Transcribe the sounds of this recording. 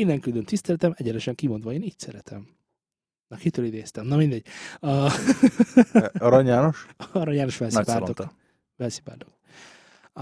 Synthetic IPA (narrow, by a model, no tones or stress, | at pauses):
inːɛŋkyld̪ønt̪ist̪ɛlɛt̪ɛmɛɟɛɾɛʃɛŋkimo̞nd̪ʋɒeːniːcsɛɾɛt̪ʰɛm | nɒkhit̪øːlid̪eːst̪ɛmnɒmind̪ɛɟ̚ | ɒɾɒɲjaːno̞ʃɒɾɒɲaːno̞ʃbɛlnɛpaːlt̪ot̪ | vɛlsi̥paːt̪ok